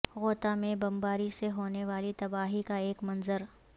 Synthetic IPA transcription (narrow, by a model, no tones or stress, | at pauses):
ɣoːt̪amẽbɐmbaːɾiseɦoːneʋaːlit̪ɐbaːɦikaeːkmɐ̃nzəɾ